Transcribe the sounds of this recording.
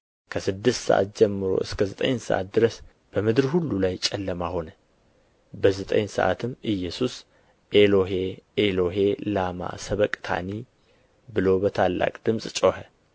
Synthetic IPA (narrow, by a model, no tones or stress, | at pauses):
kʰəsɨd̪ːɨst̪sə̰ʔa̰t̪̚d͡ʒɛmːɨɾo̞̰ʔɨskʰəzət̪ʼə̰ɲsə̰ʔa̰t̪̚d̪ɨɾəs | b̥əmɨd̪ɨɾhulːulajt͡ʃʼɛlːəmaho̞nə | bəzət̪ʼə̰ɲsə̰ʔa̰t̪ʰɨmːɨjːɛsus | ʔeloɦeelo̞ɦe̞lama̰səβəkʼt̪ʰa̰ni | bɨlo̞bət̪ʰalːa̰kʼd̪̥ɨmsʼt͡ʃʼohə